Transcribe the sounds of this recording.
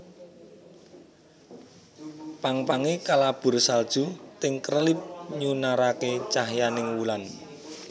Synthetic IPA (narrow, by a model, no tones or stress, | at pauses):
paŋpaŋekalab̥ʊ̤rsald̥ʒ̥ṳt̪ɪŋkərəlɪp̚ɲunaɾaket͡ʃaɦjanɪŋwulan